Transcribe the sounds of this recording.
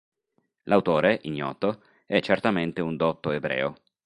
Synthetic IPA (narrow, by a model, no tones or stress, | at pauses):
lawt̪oːɾeʔiɲːɔ̰ːt̪o | ɛt͡ʃːert̪ament̪eund̪ɔt̪ːoebɾɛ̰ːo